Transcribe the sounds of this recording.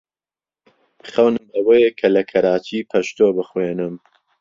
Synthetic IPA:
xɐwnɨmɐwejekʰɐlɐkʰɐɾaːt͡ʃiːpʰɐʃt̪oːbɨxweːnɨm

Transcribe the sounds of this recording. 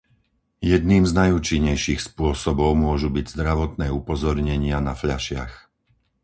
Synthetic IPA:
jɛd̪̚niːmznajuːt͡ʃiɲːɛjʃixspʊɔsɔbɔʊmʊɔʒubiɟzd̪ɾaʋɔt̪nɛːupɔzɔɾɲɛɲɪanafʎaʃɪax

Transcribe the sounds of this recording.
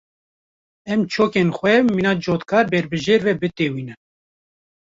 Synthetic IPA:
ɛmt͡ʃʰoːkenxʷɛmiːnɑːd͡ʒoːt̪kʰɑːɾbɛɾbɨʒeːɾvɛbɨt̪eːwiːnɨ

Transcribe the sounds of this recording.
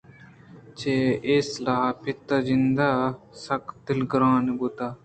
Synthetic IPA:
t͡ʃeːeːslaːpʰɪt̪ːazɪnd̪a | sɐkd̪ɪlɡɾãːnebut̪aː

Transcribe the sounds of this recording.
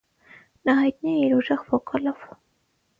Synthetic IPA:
nɑɦɑjt̪niɛiɾuʒɛʁvɔkʼɑlɔv

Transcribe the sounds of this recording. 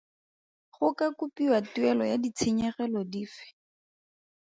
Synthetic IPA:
χʊkakupiwatuɛlɔjadit͡sʰɪɲɛχɛlɔdiːfɪ̥

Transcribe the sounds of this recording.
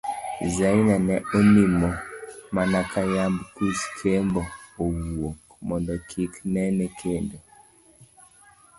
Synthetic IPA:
zainanɛonimɔmanakajambkuskʰembɔowuok | mɔndɔkʰiknɛnɛkʰendo

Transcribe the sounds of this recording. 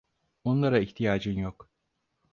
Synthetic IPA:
onlˠaɾaiçt̪ʰijaːd͡ʒɯnjok

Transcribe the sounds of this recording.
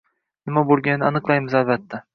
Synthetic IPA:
nɪmabolˠɡʲannɪanɨqlˠajmɪzalbat̪ʰːa

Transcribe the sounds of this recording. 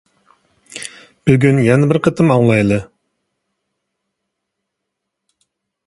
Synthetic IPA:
b̥yɡʲynjɛnɛbɪɾqʰət̪ʰɨmɑŋlˠɑjlˠɨ

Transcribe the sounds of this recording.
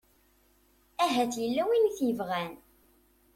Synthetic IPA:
æɦæθjəlːæwinθjəvʁæn

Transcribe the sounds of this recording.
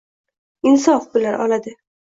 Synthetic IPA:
ɪnsɒfbɪlaɾʔɒ̰lad̪ɪ

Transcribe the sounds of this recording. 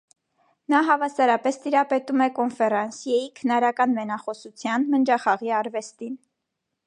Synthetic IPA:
nɑɦɑvɑsɑɾɑpɛst̪iɾɑpɛt̪umɛkɔnfɛɾɑnsjɑjikʰənɑɾɑkɑnmɛnɑχɔsut͡sʰjɑnmənd͡ʒɑχɑʁiɑɾvɛst̪in

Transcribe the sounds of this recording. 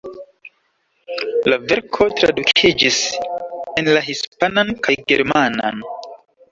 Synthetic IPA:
lave̞ɾkʰo̞tɾa̰dukʰid͡ʒis | e̞nlaɦispanankajɡe̞̰ɾmana̰n

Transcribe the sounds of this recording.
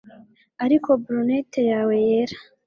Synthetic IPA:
aɾiko̞bɾunete̞jaːwe̞jeɾḁ

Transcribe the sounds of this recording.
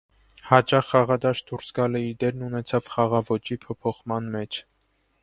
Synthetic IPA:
hɑt͡ʃɑχːɑʁɑd̪ɑʃd̪uɾsɡɑləiɾd̪ɛɾnunɛt͡sʰɑvχɑʁɑvɔt͡ʃipʰɔpʰɔχmɑnmɛt͡ʃʰ

